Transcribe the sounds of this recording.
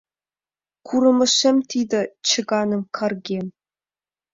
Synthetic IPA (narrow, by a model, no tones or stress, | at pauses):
kʰuɾɤ̆mɘ̆ʂɘ̆mt̪id̪ɘ̆t͡ɕʰə̆ɡɑnɤ̆mkʰɑrɡʲem